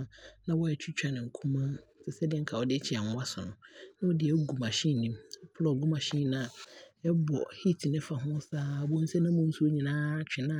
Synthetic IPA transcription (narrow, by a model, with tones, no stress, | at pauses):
nã˦wɔ˦ɛ˨t͡ɕʰᶣi˦t͡ɕᶣa˨nɪ̃˨ŋ̩˨kʰũ˦mã˦sɛ˨sɛ˦dɪ˦ɛ˦ŋkʰa˨wɔ˨dɪ˦t͡ɕʰɪ˨a˨ŋʊ˦a˦sʊ˨nʊ̃˨nã˦wɔ˦dɪ˨ɛ˦ɡu˨ma˨ɕĩ˦˨nĩ˦mɛ˦pʰʊ˦lɔ˨ɡʊ˦mã˨ɕĩ˦n˨nã˦a˨ɛ˦bɔ̰˨hi˦tʰi˨nɪ̃˦fa˨ɦʊ̃˦saː˦bʊ̃˦n̩˦sɛ˦nã˦mʊ̃˦n̩˦su˦o˦ɲĩ˨nãː˦t͡ɕᶣɪ˨nã˦˨